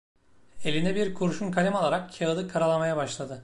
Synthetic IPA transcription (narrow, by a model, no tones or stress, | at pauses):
e̞lʲind̪ɛbiɾkʰuɾuʃunkʰalʲɛmalˠaɾak̚cʰaɯd̪ɯkʰːaɾalˠamajabaʃlˠad̪ɯ